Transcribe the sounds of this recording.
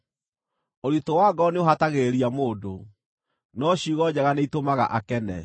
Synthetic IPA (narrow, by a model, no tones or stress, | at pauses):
oɾitowaːɡɔneoɦataɣeeɾiamoːdo | nɔɕiɣɔd͡ʑɛɣaneitomaɣa̰ʔakɛnɛ̰